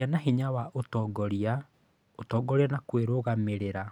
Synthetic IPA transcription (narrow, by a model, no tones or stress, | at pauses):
anaɦeɲawaʔotɔɡɔɾia | otɔːɡɔɾianakweɾoɣameɾeɾa